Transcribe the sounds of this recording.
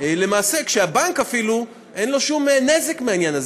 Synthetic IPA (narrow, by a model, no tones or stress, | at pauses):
le̞maːse̞kʃeabankafilu | ʔenlo̞ʃumnezekmeanjanaz